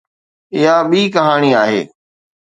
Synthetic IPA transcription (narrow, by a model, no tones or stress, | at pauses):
ɪɦaɓiːkɐɦaːñiaːɦḛː